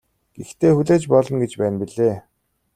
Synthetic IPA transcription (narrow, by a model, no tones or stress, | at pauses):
ɡ̥ext̪ʰeːxuɮeːt͡ɕpɔɮɞ̆nɡet͡ɕpæːnpiɮeː